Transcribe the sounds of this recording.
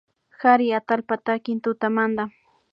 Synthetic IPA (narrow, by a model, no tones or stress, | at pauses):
xaɾɪat̪alpat̪akɪnt̪ʊt̪amand̪a